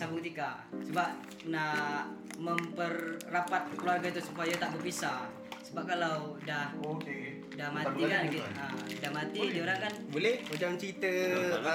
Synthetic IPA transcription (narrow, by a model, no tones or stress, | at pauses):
sabuŋt̪ika | səbaʔ̚ | na | məmpərːapat̪̚kluarɡait̪̬usupajat̪aʔbərbisa | səbap̚kalawdah | dahmat̪ikankiadahmat̪id͡ʒoɾaŋkanbolɛhod͡ʒaŋt͡ʃəit̪ə